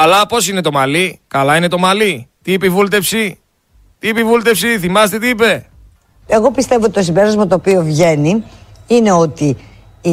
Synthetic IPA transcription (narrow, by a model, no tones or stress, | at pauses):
ɐlɐpo̞sine̞t̪o̞mɐlikɐlɐine̞t̪o̞mɐlit̪iipeivult̪e̞fsi | t̪iipeivult̪efsiθimɐst̪e̞t̪iipe̞ | eɣo̞pist̪e̞voot̪ʲit̪osimbe̞ɾɐzmɐt̪oːpio̞vʝe̞niine̞o̞t̪i